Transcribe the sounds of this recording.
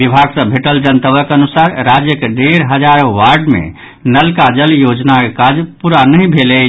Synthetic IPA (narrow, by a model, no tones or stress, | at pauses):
ʋibʱaɡsə̃bʱeʈəld͡ʒənt̪əʋəkənusaɾɾad͡ʒjəkeɖeɾɦəd͡ʒaɾʋaɾɖmḛ̃ | nəlkad͡ʒəljod͡ʒnakekad͡ʒpuɾanəɦĩbʱele